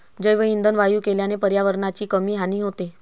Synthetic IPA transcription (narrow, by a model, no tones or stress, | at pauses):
d͡ʑəjʋəind̪ənʋajuːkeljanepəɾjaʋəɾɳat͡ɕiːkəmiːɦaniːɦot̪e